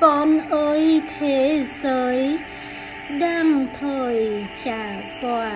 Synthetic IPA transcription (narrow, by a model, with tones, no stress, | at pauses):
kɔ˨˦nʔəː˨˦jt̪ʰe˨˦zəː˨˦j | ɗa˧mt̪ʰəː˧˩jt͡ɕaː˧˩ | kwaː˧˩